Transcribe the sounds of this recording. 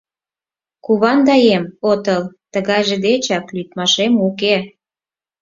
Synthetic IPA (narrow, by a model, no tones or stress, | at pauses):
kuβɑnd̪ɑjemot̪əlt̪əɣɑjʒĕd̪et͡ɕɑklyt̪mɑʃemuke